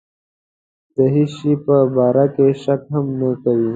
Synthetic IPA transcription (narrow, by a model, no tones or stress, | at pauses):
d̪̥əɦiʃipəbɑːɾakeʃakɦamnəkawi